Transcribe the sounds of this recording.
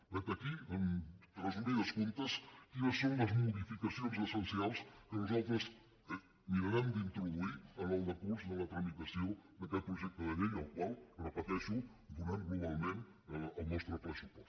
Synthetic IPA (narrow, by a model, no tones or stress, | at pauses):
pəɾkəkiənt̪ɾəzuɾiðəskunt̪əskinəsːõŋləzmuðifikɐsionzəsənsialˠskənuzalˠt̪ɾəz | miɾɐɾand̪int̪ɾuðuiənɔlˠd̪əkuɾzðəlɐt̪ɾɐmit̪ɐsiod̪ɐkɛl̚pɾuʒɛk̚t̪əðəðeʎəlˠkwalˠrəpət̪ɛʃu | d̪uɾanɡluβalˠmẽn | əlnɔst̪ɾəpɾəsupɔs